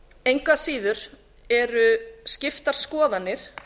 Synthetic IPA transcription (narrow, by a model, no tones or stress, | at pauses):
ejŋkvasiːðʏɾ̥ | ɛɾʏscɪft̪aɾ̥skɔːðanːɪɾ̥